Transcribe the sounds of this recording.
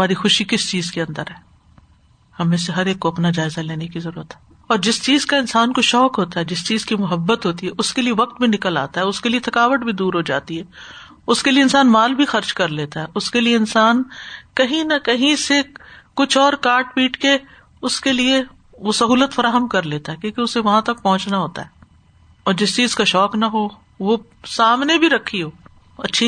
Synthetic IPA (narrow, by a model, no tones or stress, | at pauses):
ɐmaːɾixʊʃikɪst͡ʃiːzkeɐ̃nd̪əɾɦɛː | hɐmẽs̬eɦɐɾeːkːoɐpnad͡ʒaːɪzaleːnekizɐɾuːɾət̪ɦɛː | ɔːɾd͡ʒɪst͡ʃiːzkaɪnsaːnkoʃɔːkɦoːt̪aɦɛːd͡ʒɪst͡ʃiːzkimʊɦəbːət̪ɦoːt̪iɦɛʔʊskelieʋɐq̚t̪̚bʱinɪkəla̰ːt̪aɦɛʊskeliet̪ʰɐkaːʋəʈ̚bʱid̪uːɾɦod͡ʒa̰ːt̪iɦɛː | ʊskelieɪnsaːnmaːlbʱixɐɾt͡ʃkɐɾleːt̪aɦɛʔʊskelieɪnsaːnkɐɦĩnɐkɐɦĩsekʊt͡ʃʰɔːɾkaːɾʈ̚piːʈke | ʊskelie | ʋosɐɦuːlət̪fɐɾaːɦəmkɐɾleːt̪aɦɛːkjõːkeʊseʋɐɦãt̪ɐk̚pɔɦʊ̃t͡ʃnaɦoːt̪a̰ɦɛː | ɔːɾd͡ʒɪst͡ʃiːzkaʃɔːknɐɦoː | ʋo | saːmnebʱiɾɐkʰːiɦoː | ɐtːʃʰi